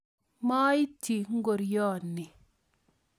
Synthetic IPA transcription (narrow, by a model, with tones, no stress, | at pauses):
ma˦i˦ti˨ŋ̩˦ɡo˨ɾjɔː˦˨nːi˨